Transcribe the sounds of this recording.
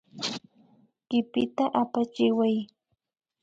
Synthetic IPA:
kɪpɪt̪aʔapat͡ʃɪwaj

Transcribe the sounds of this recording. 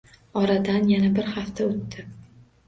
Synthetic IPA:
ɒɾad̪anjanabɪɾhaft̪ʰaʊt̪ːɪ

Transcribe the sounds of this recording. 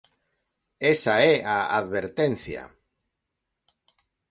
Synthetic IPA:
esaɛaa̰ðβeɾt̪en̟θja̰

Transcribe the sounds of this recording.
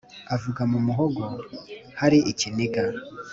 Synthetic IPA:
avuɡamumuɦoɡohaɾiʔiciniɡa

